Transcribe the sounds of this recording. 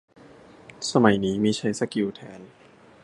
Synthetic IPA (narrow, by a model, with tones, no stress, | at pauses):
sa˧ma˨˩jniː˦˥miː˧t͡ɕʰa˦˥jsa˧ki˧wt̪ʰɛː˨˦˥n